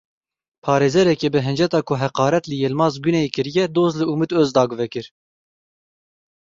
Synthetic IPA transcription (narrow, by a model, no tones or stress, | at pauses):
pʰɑːɾeːzɛɾɛkebɨɦɨnd͡ʒɛt̪ɑːkʰʊɦɛqɑːɾɛt̪lɨjelmɑːzɡynɛekɨɾijɛd̪oːzlɨumɨt̪øːzd̪ɑːɡʊvɛkɨɾ